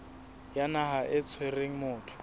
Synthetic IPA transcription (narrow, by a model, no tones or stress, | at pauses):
janaɦaʔɪt͡sʰwereŋ̩mʊːtʰʊ̥